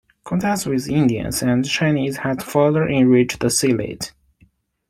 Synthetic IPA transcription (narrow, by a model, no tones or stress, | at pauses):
kʰɔ̃ntʰæstwɪðɪ̃ndiɨ̰̃nzɨ̃nt͡ʃʰãɪ̃nizhædfɑðə˞ʔɪ̃nɹit͡ʃðəsilḛt